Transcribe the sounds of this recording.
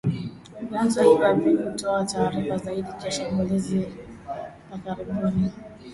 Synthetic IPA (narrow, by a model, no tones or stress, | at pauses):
vanzahiavikutɔataːɾifazaiɗit͡ʃaʃambulizi | akaɾiɓuni